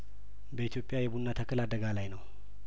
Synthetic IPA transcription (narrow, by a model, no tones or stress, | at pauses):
bəit̪ʰijo̞pʼːjajɛbunːat̪ʰəkʰːɨlad̪əɡalajnəw